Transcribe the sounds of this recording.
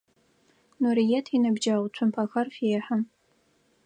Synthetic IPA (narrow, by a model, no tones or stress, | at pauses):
nuɾijɛtʰinɐbd͡ʒawt͡ɕʷʰʊmpʰɐxɐrfiħam